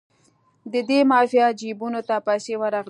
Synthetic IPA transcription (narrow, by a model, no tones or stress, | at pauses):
d̪əd̪emɑfijad͡ʒibunot̪apajsewəɾɑɣ